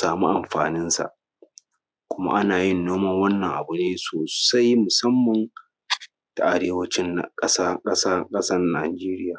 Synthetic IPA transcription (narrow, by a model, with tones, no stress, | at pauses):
saː˨mu˦ʔa˨mɸaː˨nɪ˦nsa̰˨ʔ | kʷʊ˦ma̰˦ʔa˦naː˨jɪ˦˨nːoː˦mɐ˦ŋwɐ˦nːɐ˨ŋʔa˨bʊ˨neː˦soː˨sa˦jmʊ˨sɐ˦mːɐ˨n | ta˨ʔa˨ɽeː˦wɐ˦t͡ʃɪ˦n˨kʼɐ˦sa˦kʼɐ˦saː˦kʼɐ˦sɐ˦rnaː˨d͡ʒeː˦ɾɪ˦jaː˨